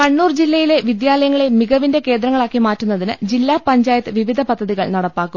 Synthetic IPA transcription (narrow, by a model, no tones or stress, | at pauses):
kɐɳːuːrd͡ʑilːɐjile̞ʋid̪jaːlɐjɐŋːɐɭemiɡɐʋinde̞ke̞ːnd̪ɾɐŋːɐɭaːkːimaːtːunːɐðinɨd͡ʑilːaːpɐɲd͡ʑaːjɐt̪ːɨʋiʋid̪ʱɐpɐd̪ʱːɐðiɣɐɭnɐɽɐpːaːkːum